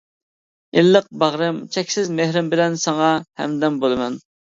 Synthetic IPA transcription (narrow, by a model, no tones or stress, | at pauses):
ɪlːəq̚bɑʁɾɪmt͡ʃʰɛkʲsɪzmehɾɪmbɪlɛnsɑŋɑhɛ̰md̪ɛmbolˠɨmɛn